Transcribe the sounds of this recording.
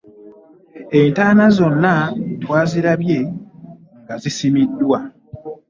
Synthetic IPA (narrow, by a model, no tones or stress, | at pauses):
e̞ntaːnazo̞nːatwaːziɾaβje̞ | ŋɡazisimidːwa